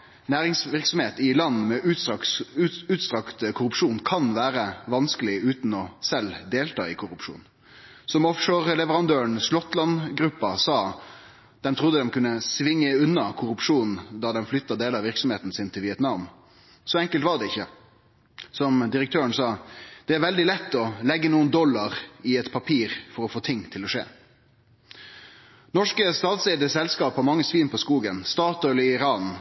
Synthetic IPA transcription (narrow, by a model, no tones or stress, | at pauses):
næːʁɪŋsʋɪʁksɔmheːt̪ɪlɑnːmɛʔʉʉʉːt̪st̪ɾɑkt̪kʰʊɾʉpʂuːnkʰɑnʋæːɾəʋɑnskəlɪʉːt̪nɔsɛld̪eːlt̪ʰɑ̰ːɪkʰʊɾʉpʂṵːn | sɔmɔfʂəʁlɛʋəɾɑnd̪øːəɳslɔt̪ːlɑnɡɾʉpːɑsɑː | d̪̥ɛmt̪ʰʁʊd̪əd̪ɛmkʉnːəsʋɪŋːəʉnːɑkʰʊɾʉpʂuːnn̩d̪ɑd̪ɛmflʏt̪ːɑd̪eːləɑʋɪɾksɔmheːt̪n̩sɪnt̪ʰɪlʋɪɛt̪nɑʋn | sɔːɛŋkəlt̪ʋɑʁd̪ɛɪçːə | sɔmd̪ɪɾəkt̪ʰøːəɳsɑːd̪̥ɛæɾʋɛld̪ɪlɛt̪ːɔlɛɡːənuːənd̪ɔlːɑɾɪɛt̪pʰɑpʰiːɾfɔɾɔfoːt̪ʰɪŋːt̪ʰɪlɔʂḛː | nɔʂkəst̪ɑːt̪seːd̪əsɛlskɑːphɑmɑŋːəsʋiːnpʰɔskuːɡənst̪ɑːt̪ɔlɪɪɾɑːn